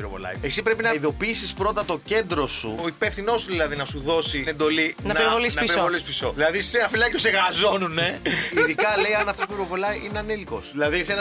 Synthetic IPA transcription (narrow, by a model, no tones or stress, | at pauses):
iɾo̰vo̰lɐ̰j̰esipɾe̞pinɐiðo̞piisispɾo̞t̪ɐt̪o̞ce̞nd̪ɾo̞sṵoipefθino̞suðilɐðinɐsuðo̞sine̞nd̪o̞linɐnɐɾvolisnɐesɾoo̞lispiso̞ðilɐðiseɐfilɐc̪oseɣɐzo̞nuneiðikɐle̞jɐnɐft̪o̞spupiɾo̞vo̞lɐjʔineɐneliko̞̰sðilɐðisenɐ